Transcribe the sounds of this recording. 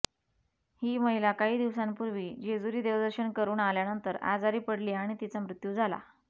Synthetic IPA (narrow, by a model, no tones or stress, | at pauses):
hiːməɦilakaɦiːd̪iʋsanpuɾʋiːd͡ʑed͡zuɾiːd̪eʋd̪əɾɕəɳkəɾuːnaljanənt̪əɾa̰d͡zaɾiːpəɽliːaɽ̃it̪it͡samɾut̪juːd͡zʱala̰